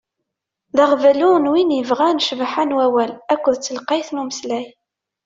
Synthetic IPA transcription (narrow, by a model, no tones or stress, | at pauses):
ðaʁvælunwinjəvʁænʃvħanwæwælækʷːəðt͡sːəlqɑjθnuməslæj